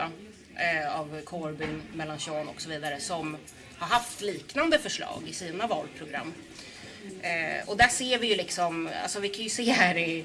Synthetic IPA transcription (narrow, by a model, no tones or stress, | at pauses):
a | avkʰɔɾbɪnmɛlːanɕɔːnɔ̰ksɔviːd̪aɾəsɔm | haɾɦaft̪liːknand̪əfœʂɭɑ̰ːɡɪsiːnavɑːlpʰɾʊɡɾa̰mː | ɔd̪æʂeːɾvɪjɵlɪksɔma̰lsɔvɪkʰanjɵseːhæːɾɪ